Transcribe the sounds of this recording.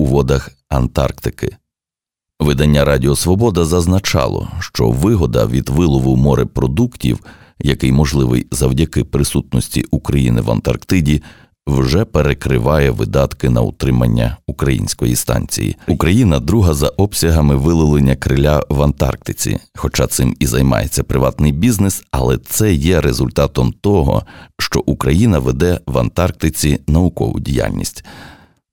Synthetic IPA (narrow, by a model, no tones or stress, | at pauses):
uʋɔd̪ɐx | ɐnt̪ɑ̰rkt̪ɪkɪ | ʋɪd̪ɐnʲːaɾɑdʲiɔsʋɔbɔd̪ɐzɐznɐt͡ʃɑ̰lˠɔ̰ʃt͡ʃɔ̰ʋɪɦɔd̪ɐ̰ʋʲid̪ʋɪlˠɔʋʊmɔɾɪpɾɔd̪uktʲḭw | jɐkɪjmɔʒlˠɪʋɪ̰jzɐwdʲɐkɪpɾɪsut̪̚nɔsʲtʲḭʔukɾɐjinɪʋɐ̰nt̪ɐrkt̪ɪdʲi | wʒɛpeɾekɾɪ̰ʋɑjɛʋɪ̰d̪ɑt̪kɪnɐṵt̪ɾɪmɐnʲːɐ̰ukɾɐjḭnʲsʲkɔjist̪ɑ̰nʲt͡sʲḭjḭukɾɐjinɐd̪ɾuɦɐzɐʔɔbsʲɐɦɐmɪʋɪlˠɪlˠenʲːɐkɾɪlʲaʋɐnt̪ɑ̰rk̚t̪ɪt͡sʲḭxɔt͡ʃɑt̪sɪmizɐjmɑ̰jet͡sʲːɐpɾɪʋɑt̪nɪjbʲiznɪsɐlˠɛt̪sɛjɛɾezʊlʲt̪ɑt̪ɔmt̪ɔɦɔ̰ʃt͡ʃɔʔukɾɐjinɐʋed̪ɛʋɐnt̪ɑrk̚t̪ɪt͡sʲinɐʊkɔ̰ʋʊ̰dʲija̰lʲnʲḭsʲtʲ